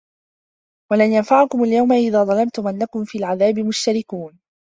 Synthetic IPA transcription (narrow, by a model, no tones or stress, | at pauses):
walanjanfaʕakʊmaljawmaʔɪðaːðˤɑlɑmt̪ʊmanːakʊmfiːlʕaðaːbɪmʊʃt̪aɾɪkuːn